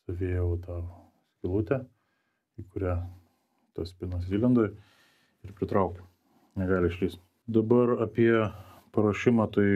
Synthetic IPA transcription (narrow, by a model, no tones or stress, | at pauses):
sɐʋʲeːjɛʊt̪ɑː | sʲkʲɪlˠuːt̪ʲæ | iːkʊɾʲæː | t̪oːsʲpʲɪnɐːs̬zʲiːlʲɛnd̪oːj | ɪɾpʲɾʲɪt̪ɾɐʊkʲe | nʲɛɡɑːlʲɪʃʲlʲiɪst̪ | d̪ɐbɐɾɐpʲiɛpɐɾoːʃʲɪmɑːt̪ɐɪ